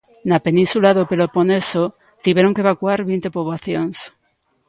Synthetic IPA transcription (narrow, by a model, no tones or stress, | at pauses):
napenĩnsulaðopeloponeso | t̪iβjeɾoŋkeβakuaɾβint̪epoβlaθjoŋs